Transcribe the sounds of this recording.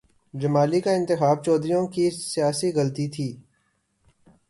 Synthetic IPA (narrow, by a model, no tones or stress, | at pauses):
d͡ʒəmaːlikaɪ̃nt̪ɪxaːb̚t͡ʃɔːd̪ɾijõkisɪjaːsiɣəlt̪it̪ʰiː